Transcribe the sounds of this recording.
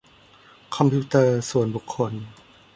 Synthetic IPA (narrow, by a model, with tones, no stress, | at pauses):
kʰɔ˧mpʰi˦˧˦t̪ɤː˧su˨˩ənbu˨˩kʰːo˧n